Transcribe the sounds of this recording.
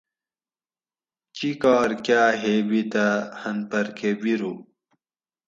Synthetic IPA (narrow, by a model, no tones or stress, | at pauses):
t͡ɕikaːɾkjaːɦeːbit̪ahɐnpɐɾkʰebiɾu